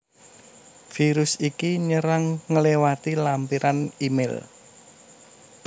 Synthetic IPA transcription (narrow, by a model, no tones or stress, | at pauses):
fiɾʊsikiɲəɾaŋːəlewat̪ilampiɾʔanimɪ̰l